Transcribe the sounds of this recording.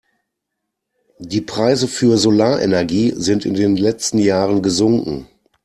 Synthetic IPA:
diːpʁ̥aɪzəfyːɐzolaːɐʔḛnɛɐɡiːzɪntɪ̰ndeːnlɛt͡stn̩jaːʁənɡəzʊŋkŋ̩

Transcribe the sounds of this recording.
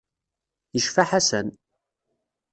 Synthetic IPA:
jəʃfaħasən

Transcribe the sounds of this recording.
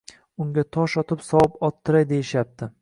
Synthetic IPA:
ʊŋɡʲat̪ʰɒʃɒt̪ʰɪpsɒwɪpɒt̪ʰːɪɾajd̪ejɪʃap̚t̪ʰɪ

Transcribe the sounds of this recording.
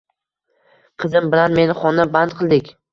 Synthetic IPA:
qʰɨzɪmbɪlanme̞nɪχɒnːabant̪̚qʰɨlˠd̪ɪkʲ

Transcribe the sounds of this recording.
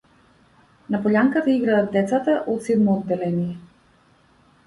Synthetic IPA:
napɔʎaŋkat̪aiɡɾadad̪̚d̪ɛt̪sat̪aʔɔt̪sɛd̪mɔːd̪ːɛlɛnijɛ

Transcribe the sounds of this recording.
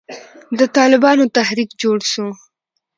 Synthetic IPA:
d̪ət̪ɑlɪbɑnot̪ahɾikd͡ʒoɽʃo

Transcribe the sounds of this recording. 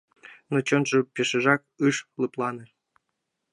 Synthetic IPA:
not͡ɕɤ̆nʐɤ̆pʲeʂɘ̆ʐɑk̚ | ɯʂlˠɯplˠɑnɤ̆

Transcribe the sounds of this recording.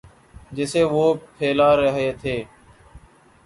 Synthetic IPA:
d͡ʒɪseːʋoːpʰeːlaːɾəɦeːt̪ʰeː

